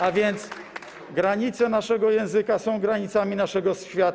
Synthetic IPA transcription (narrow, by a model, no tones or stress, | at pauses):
avʲjɛnt̪s | ɡɾaɲit̪sɛnaʂɛɡɔjɛ̃w̃zɘkasɔ̃w̃ɡɾaɲit̪samʲinaʂɛɡɔsfʲfʲjat̪